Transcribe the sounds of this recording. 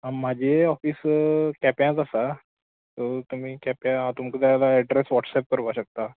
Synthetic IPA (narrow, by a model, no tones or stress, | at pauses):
ɦãmːad͡ʑʱeɔfiːskɛpjãt͡sasa | t̪ɔt̪um̤iːkɛpjããt̪umkəd̪aalaɛɖɾesʋɔʈsɛp̚kəɾʋaɕək̚t̪a